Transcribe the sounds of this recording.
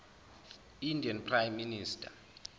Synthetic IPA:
indʱianpʰrajmːiniːstʰʼa

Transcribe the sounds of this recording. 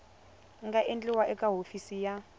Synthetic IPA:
ŋɡaʔend͡ɮʼiwaʔɛkʼaɦofisija

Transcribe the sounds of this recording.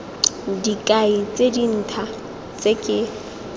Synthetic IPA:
dikʼait͡sʼedin̩ːtʰa | t͡sʼekʼɪ

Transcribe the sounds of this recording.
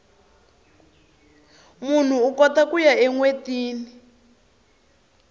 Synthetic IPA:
mun̤uːkɔtakujaɛŋwetiːni

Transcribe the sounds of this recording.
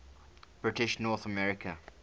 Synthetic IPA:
b̥ɹɪtɪʃnɔːˑθəmɛɹɪkʰə

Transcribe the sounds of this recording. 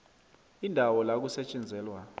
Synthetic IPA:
indʱawɔlak̬usɛt͡ʃʼɛnd͡zʱɛːlwa

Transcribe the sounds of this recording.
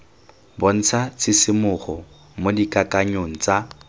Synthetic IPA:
bon̩t͡sʰat͡sʰɪsɪmʊχɔ | modikʼakʼaɲoŋ̩t͡sa

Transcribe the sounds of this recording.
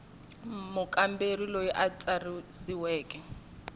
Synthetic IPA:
mʊkʼamberilojiʔat͡sʼarisiwɛːkʼɛ

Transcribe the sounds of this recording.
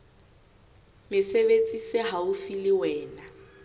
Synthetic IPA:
mɪsebet͡sʼisɪɦaufilɪwɛːna

